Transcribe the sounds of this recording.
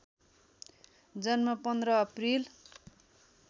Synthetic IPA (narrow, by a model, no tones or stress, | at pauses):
d͡zʌnmʌpʌnd̪rʌːpril